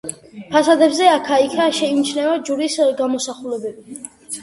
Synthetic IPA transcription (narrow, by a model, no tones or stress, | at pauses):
pʰasad̪ɛbzɛakʰaikʰaʃɛimt͡ʃʰnɛad͡ʒuɾisɡamɔsaχulɛbɛbi